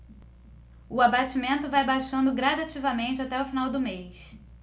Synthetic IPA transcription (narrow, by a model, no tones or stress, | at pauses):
ʊabat͡ʃimẽnt̪ʊvajbaʃɐ̃nd̪ʊɡɾad̪at͡ʃivɐmẽnt͡ʃɪat̪ɛʊfinawd̪ʊmejs